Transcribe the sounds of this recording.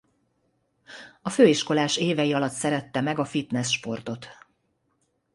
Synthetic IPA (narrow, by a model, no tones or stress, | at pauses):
ɒføːiʃko̞laːʃeːvɛjiɒlɒt̪sɛɾɛt̪ːɛmɛɡɒfit̪nɛsʃpo̞rt̪o̞t̪